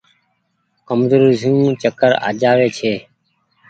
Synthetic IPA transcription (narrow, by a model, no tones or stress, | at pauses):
kəmzoːɾzjũːt͡ʃəkəɾa̰ːd͡ʒaːʋeːt͡ʃʰeː